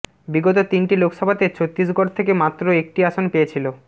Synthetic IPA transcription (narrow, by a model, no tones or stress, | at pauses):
biɡot̪ot̪inʈilokʃɔbʱat̪et͡ɕʰot̪ːis̬ɡoɾt̪ʰekemat̪ːɾoek̚ʈiaʃonpeet͡ɕʰilo